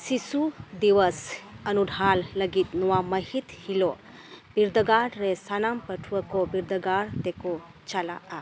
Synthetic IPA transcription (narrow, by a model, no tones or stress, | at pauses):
sisud̪iwɐsɐnudʱalːɐɡit̪̚nɔwamɐɦit̪hilɔ | b̥iɾd̪ɐɡaɖɾesanampɐʈʰuwakɔbiɾd̪ɐɡaɾd̪ekɔt͡ʃala̰ʔa